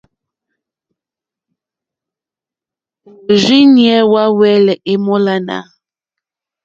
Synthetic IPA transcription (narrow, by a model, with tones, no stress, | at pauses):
o˨ʒɥi˦njɛ˨˦wa˦wɛ˦lɛ˨ʔe˦mo˦la˦na̰˨˦